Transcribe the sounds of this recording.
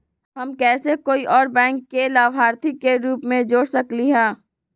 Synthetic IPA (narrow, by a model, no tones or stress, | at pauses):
ɦɐmkɛːsekoːiʔɔːɾbɛ̃ːŋkːelaːʋɦaːɾt̪ʰikːeɾuːpmẽd͡ʒoːɽsɐkliɦɛ̃ː